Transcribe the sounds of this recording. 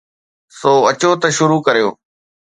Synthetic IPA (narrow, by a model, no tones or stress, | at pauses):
soːɐt͡ɕoːt̪ɐʃʊɾuːkɐɾijo̰ː